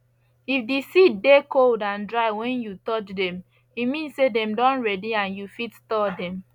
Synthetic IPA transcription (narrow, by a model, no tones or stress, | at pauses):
ifdisid̚dekoldãndɹaɪwɛ̃njutɔt͡ʃdɛ̃m | imĩnsedɛ̃mdɔ̃nɹɛdiãnjufitstɔdɛ̃m